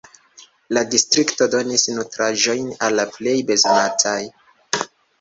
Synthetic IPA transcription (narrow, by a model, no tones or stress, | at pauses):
ladistɾikto̞do̞nisnutɾaʒo̞jnalːaple̞jbe̞zo̞natʰaj